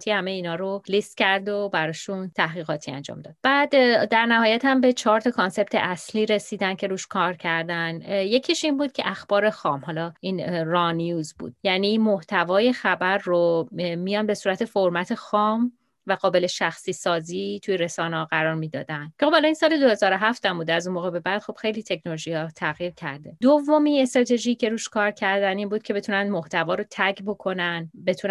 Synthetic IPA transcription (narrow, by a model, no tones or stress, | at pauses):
t̪ʰihæme̞jiːnhɒːɾolist̪̚cæɾd̪o̞bæɾɒːʃunt̪ʰæhɣiːɣɒːt̪ʰiæ̰nd͡ʒɒ̰ːmd̪ɒ̰ːd̪̥̚b̥æːd̪ːæɾnæɦɒːjæt̪hæmbe̞t͡ʃʰɒːɾt̪ʰɒkʰonse̞b̥̚t̪ʰeʔæsliːɾe̞siːd̪æncʰe̞ɾuːʃkʰɒːɾcʰæɾd̪ænjecʰiʃinbuːd̪̚cʰe̞̰ʔæxb̥ɒːɾe̞xɒːmhɒːlɒiːnrɒnijuːzbṵːd̪̥jæniːmoht̪ʰævɒːje̞xæbæɾːomijɒnbe̞suːɾæt̪ʰe̞foɾmæt̪ʰexɒːm | væɣɒːbe̞le̞ʃæxsiːsɒːziːt̪ʰujeɾe̞sɒːnehɒːɣæɾɒːɾmiːd̪ɒ̰ːd̪ænd̪̥cʰexobhɒlɒinsɒːle̞d̪ohe̞zɒːɾo̞ɦæft̪æmbuːd̪æzunmoːɣe̞be̞bæd̪̥xo̞b̥xe̞jliːt̪ʰe̞cʰnoloʒihɒːt̪ʰæɣjiːɾcʰæ̰ɾd̪ed̪ovːomie̞st̪ɾɒːt̪ʰe̞ʒice̞ɾuːʃkʰɒːɾcʰæɾd̪æniːnbuːd̪̥kʰcʰe̞be̞t̪ʰunænd̪mo̞ht̪ʰævɒːɾot̪ʰækʰbo̞kʰo̞nænbe̞t̪ʰun